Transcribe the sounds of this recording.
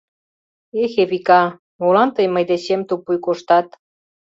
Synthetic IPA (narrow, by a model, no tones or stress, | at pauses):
exeβikɑ | molɑnt̪əjməjd̪eɕemt̪upujkoʃt̪ɑt̪